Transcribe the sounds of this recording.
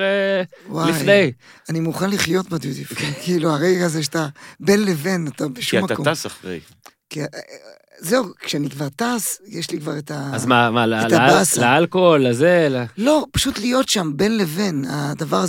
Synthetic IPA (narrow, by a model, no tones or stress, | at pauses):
ewaijdejanimuχanliχjo̞t̪bad̪udifkkiːluaʁeɡazeʃ̬at̪abe̞nleve̞natabeʃuamːakakoasaχʁḛj | kia | zeukʃeanikvaʁt̪asjeʃlikvaʁet̪aazmamalet̪abaslaalkolːazelalo̞paʃut̪lijo̞tʃambe̞nle̞ve̞na̰d̪avaʁa